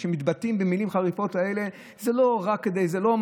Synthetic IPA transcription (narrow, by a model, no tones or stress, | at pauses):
ʃemit̪batimbemilimχaʁifo̞tae̞le̞ | zelo̞ʁakːed̪e̞jzelo̞m